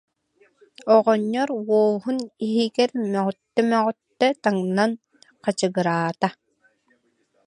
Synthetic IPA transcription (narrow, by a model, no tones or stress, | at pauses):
ɔʁɔɲːɔɾwɔːɦuniɦiɡɛɾmœʁɔt̪ːɛmœʁɔt̪ːɛt̪aŋnan | qat͡ɕɯɡɯɾaːt̪a